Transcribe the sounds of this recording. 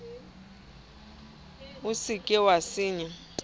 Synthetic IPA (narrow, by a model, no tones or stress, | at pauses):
usikʼɛwasiːɲɛ